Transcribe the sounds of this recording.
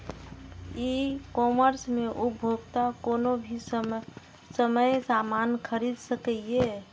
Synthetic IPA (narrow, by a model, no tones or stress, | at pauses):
ikɔməɾsmeʔubʱoɡt̪akoːnobʱi | səməjsamankʰəɾid̪səkəie